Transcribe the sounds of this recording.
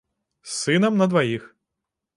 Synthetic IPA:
sɪnɐmnɐd̪ʋajix

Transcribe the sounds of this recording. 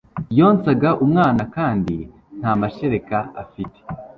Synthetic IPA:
joːnt͡saɡaʔumŋaːnakaːndi | n̥hamaʃe̞ɾe̞kaa̰fite̥

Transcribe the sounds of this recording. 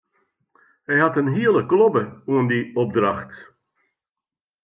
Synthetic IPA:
hɛjɦɑtənɦiəlˠəklɔbəuəndiɔb̚draxt

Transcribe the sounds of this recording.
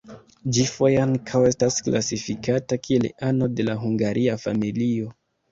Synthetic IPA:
d͡ʒifo̞jaŋkʰawe̞staskla̰sifikatakʰie̞lano̞de̞laɦuŋɡaɾʔiafa̰milio̞

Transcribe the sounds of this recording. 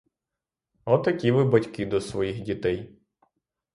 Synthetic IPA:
ɔt̪ɐkʲiʋɪbɐtʲkɪd̪ɔsʋɔjixdʲit̪ɛj

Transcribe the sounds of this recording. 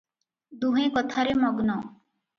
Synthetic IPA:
d̪uɦẽkɔt̪ʰaɾemɔɡnɔ

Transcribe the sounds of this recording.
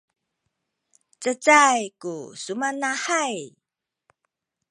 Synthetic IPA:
t͡sət͡sajkusumanaħaj

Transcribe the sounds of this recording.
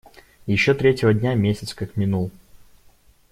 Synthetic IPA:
jɪɕːot̪ɾʲetʲɪvədʲnʲamʲesʲɪt̪skakmʲɪnulˠ

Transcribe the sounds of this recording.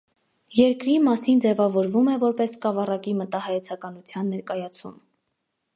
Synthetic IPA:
jɛɾkɾimɑsind͡zɛvɑvɔɾvumɛvɔɾpɛskɑvɑrɑkimət̪ɑhɑjɛt͡sʰɑkɑnut͡sʰjɑnːɛɾkɑjɑt͡sʰṵm

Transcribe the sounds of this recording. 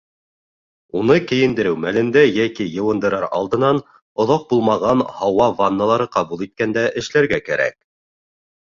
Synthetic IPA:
unɤkɘ̆jɘ̆nd̪ɘ̆ɾɘwmælɘ̆nd̪æjækijɤ̆wɤ̆nd̪ɤ̆ɾɑɾɑ̰lˠd̪ɤ̆nɑn | ŏðɑq̚bulˠmɑʁɑnhɑwɑvanːɑlˠɑɾɤqɑbulˠit̪̚kænd̪æʔɘ̆ʃlæɾɡækæɾæ̰k̚

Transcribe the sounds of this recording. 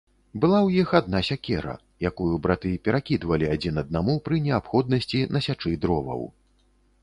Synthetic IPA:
bɨlˠawjixad̪̚nasʲakʲɛɾɐ̰ | jakujubɾat̪ɨpʲɛɾakʲid̪vɐlʲiad͡zʲinɐd̪̚namupɾɨnʲɛapxɔd̪nɐsʲt͡sʲinɐsʲat͡ʂɨd̪ɾɔvɐ̰w

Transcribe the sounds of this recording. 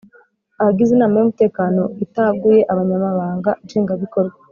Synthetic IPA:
ahaɡizinaːmajumute̞ːkaːno̞itaɡuje̞ʔaβaɲamaβaːŋɡaʃeːŋɡaβiko̞ɾɡa

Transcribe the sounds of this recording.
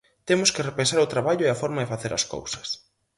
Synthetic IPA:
t̪emʊskɪrepẽnsaɾʊt̪ɾaβaʎʊɛɐfɔɾmɐðɪfaθeɾɐ̰sko̰wsɐ̥s

